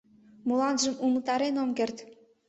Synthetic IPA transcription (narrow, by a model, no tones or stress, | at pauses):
mulɑnʒəmumət̪ɑɾenomkert̪